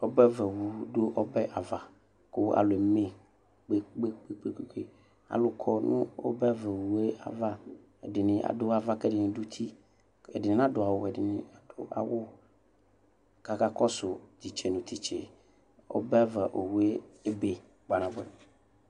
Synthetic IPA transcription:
o˦bɛ˦vɛ˨wu˨ɖo˦ʔɔ˦bɛ˦ʔa˨va˨ | kʊ˦a̰˨lʊ˨e˨me˨ | k͡pe˦k͡pe˦k͡pe˦k͡pe˦ke˦ke˦ | a̰˨lʊ˨kʰɔ˦nʊ̰̃˦o̰˦bɛ˦a˦vɛ˨wu˨e˦a̰˨va˦ | e˨dɪ˨nɪ̃˨ʔa̰˨dʊ˦a˨va˦kɛ˦dɪ˨nɪ̃˨du˦t̪ʰi˦ | ḛ˨dɪ˨nɪ̃˨nã˦dʊ˨a˨wʊ˦ɛ˨dɪ˨nɪ̃˨a˨d̥ʊ̰˦ʔa̰˨wʊ˦ | ka˨ka˦kɔ˦sʊ˨d͡ʒi˨t͡ʃe˨nũ˨t̪i˦t͡ʃḛ˨ | o̰˦bɛ˦a˦va˨ʔo˨wu˨˦e˦e˦be˨ | ɡ͡ba˨nã˨vɔ˦ɛ̰˦˨

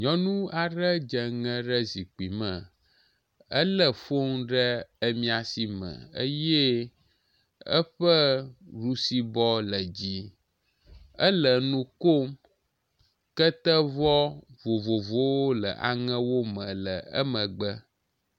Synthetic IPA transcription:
ɲɔ̃˦nũ˦a˨ɖə˦d͡ʒə˨ŋə̃˦ɖə˦zi˨k͡pi˨mə̃˨ | ə˦lə˦fo˦ŋɖə˦ə˦mĩ˦a˨si˦mə̰̃˨ə̰˦je˦ | ə̰˦ɸə˦ɖu˦si˦bɔ˦lə˨d͡ʑi˦ | ə˦lə˨nũ˦ko˦m | kə˦t̪ə˦vɔ˦vo˨vo˨vo˦wo˦lə̰˨ʔa̰˨ŋɛ̃˦wo˦mə̃˨lə˨ə̰˦mə̃˨ɡ͡bə˦

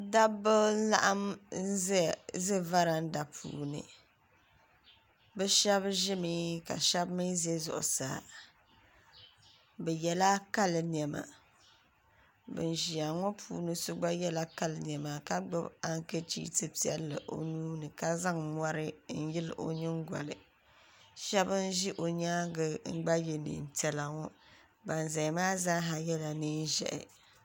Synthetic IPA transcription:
da˦bɨ˦la̰˦ʔa˦m̩˦zzɨ˦va˦ɾa˨n̩˦da˨pʰṵː˨nɨ̰˨ | bɛ˦ʃɛ˦βʒɪ˦mi˦ka̰˨ʃɛ˦bmɨ˦ze˦zʊ̰˨ʔʊ̰˨sa̰ː˨ | bɛ˨jɛ˨la˦ka˦lɨ˨n˨ɛ˨ma̰˨ | bɨ̰˨n˨ʒi˨a˨ŋɔ˦pʰṵː˦nɨ˦sʊ˦ɡ͡ba˦jɛ˦la˦ka˦lɨ˨ni˨ɛ˨ma˨ka˦ɡ͡bɨ˦ba˦ŋ˦ke˦t͡ʃḭː˦tɨ˦pi˦ɛ̰˦lːɨ˨ʔo̰˦nuː˦nɨ˨ka˦za˦ŋmʷa˦ɾɨ˦n̩˦jɪ˦lɨ˨ʔo̰˦ɲɨ˦ŋ˦ɡʷa̰˨lɨ˨ | ʃɛ˦bɨ˦n̩˦ʒi˦ʔo˨ɲaː˦ɡɨ˨ŋ̩˦ɡ͡ba˦je˨nḭː˨n̩˨tɛ˨la˨ŋɔ˦ | ba˨n˨za˨maː˦za˦ɦa˨jɛ˦la˨nɨː˦n˦ʒɛ̰˨ʔɪ̰˨

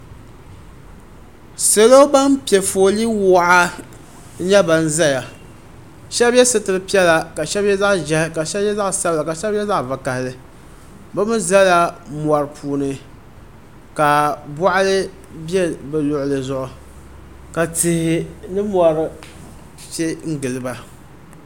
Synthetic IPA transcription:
se˦lo˦ba˦npi˨ɛ˨fo˨li˦wa˦ʔa˦ | ɲɛ˦ba˨n˦za˦ja˨ | ʃɛ˦bɛ˦sɨ˦tɨ˨ɾɨ˦pi˦ɛ˦la˦ka˨ʃɛ˦bjɛ˦za˦ʔʒɛ˦hka˨ʃɛ˦bjɛ˦za˦ʔsa˦bla˨ka˨ʃɛ˦bɛ˦za˦ʔva˨ka˨hɪ˨lɨ˦ | ba˦mɨ˦za˦la˦ma˨ɾɨ˨pʰuː˨nɨ˨ | ka˨bɔ˦ʔa˦lɨ˦ | bjɛ˦lbɛ˨lʊ˨ʔʊ˨lɨ˨zʊ˨ʔʊ˨ | ka˨tɪ˨hɪ˨nɨ˦mɔ˨ɾɨ˨ | t͡ʃɛ˦ŋ̩˦ɡɨ˨lɨ˨ba˨

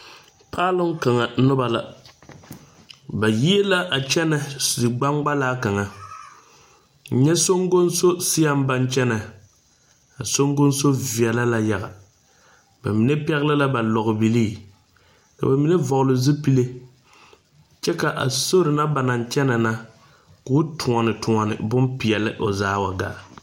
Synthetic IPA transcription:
pʰaː˦lɨ˦ŋ˦ka˨ŋa˨˦nʊ˦ba˨la˨ | ba˨ji˦e˦la˦ʔa˨t͡ʃɛ˦na˨dɨ˨ɡ͡ba˦ŋɡ͡ba˦laː˦ka˨ŋa˨ | n̩˨ɲɛ˦so˦ŋɡo˦nso˦si˦ja˦m˦ba˦nt͡ʃɛ˦na˨ | a˨so˦ŋɡo˦nso˦vi˨ɛ˨la˦la˦ja˨ɣa˨ | ba̰˨mi˨ne˦pɛ˦ɣɪ˦lɪ˦la˦ba˨lɔ˨ɣʊ˨bi˨liː˦˨ | ka̰˨ba˨mi˨ne˦vɔ˨ɣʊ˨lɨ˨zɨ˦pi˦le˦ | t͡ʃɛ˦ka˨ʔa̰˨so˦ɾɨ˨na˦ba˨na˨n˨t͡ʃɛ˦na˨na˦ | kʊ˦tʰʊ˨ɔ˨nɨ˨tʊ˨ŋɔ˨nɪ̰˨bʊ˦npi˨ɛ˨lɪ˦ʔo˨zaː˦wa˨ɡa̰ː˦˨

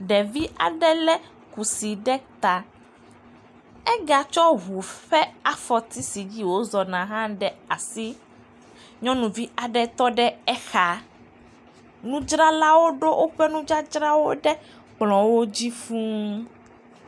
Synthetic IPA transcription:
ɖɛ˨vi˦a̰˨ɖɛ˦lɛ˦ | ku˨si˨ɖɛ˦t̪a˨ | ɛ˦ɡa˨t͡ʃɔ˦ɦu˨ɸɛ˦a˨fɔ˨t̪i˦si˨d͡ʑi˦wo˦zɔ˨nã˨ɦã˦ɖɛ˨a˨si˦ | ɲɔ̃˦nũ˨vi˦a˨ɖɛ˦t̪ɔ˦ɖɛ˦ɛ˦xa˨ | nũ˦d͡ʒɾa˦la˦wo˦ɖo˦ʔo˦ɸɛ˦nũ˦d͡ʒa˦d͡ʒɾa˦wo˦ɖɛ˦ | k͡plɔ̃˨wo˦d͡ʑi˦fũ˦

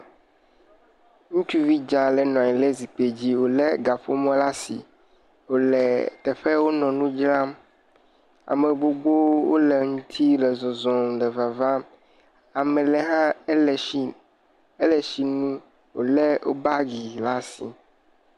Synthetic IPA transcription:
ŋũ˦t͡ʃu˦vi˦d͡ʒã˨lɛ˨nɔ̃˨ɲĩ˨lɛ˦zi˨k͡pe˨d͡ʑi˦wo˨lɛ˦ɡa˨fo˦mɔ̃˦la˦sḭ˨ | wo˨lɛ˨t̪ɛ˨ɸɛ˦wo˦nɔ̃˨nũ˦d͡ʒlã˦m | a̰˨me˨ɡ͡bo˨ɡ͡bo˦wo̰˦lɛ˨ŋũ˦t̪ʰi˦lɛ˨zɔ̃˨zɔ̃˨m˨ɖɛ˨va˨va˦m | a˨mɛ˨lɛ˨ɦã˦lɛ˨i˦ | ɛ˦lɛ˨ʃi˨nũ˦ | wo̰˨lɛ˦wʔo̰˦ba˦ɡi˨la˦sḭ˨

